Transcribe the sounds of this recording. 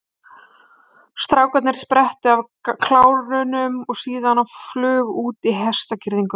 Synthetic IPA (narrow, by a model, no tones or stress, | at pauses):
st̪ɾaːwkat̪nɪɾ̥spɾɛht̪ʏav | kʰlaːwɾʏnʏmɔɣsiːðanaflʏːɣuːt̪iɦɛst̪acɪɾðiŋkʏ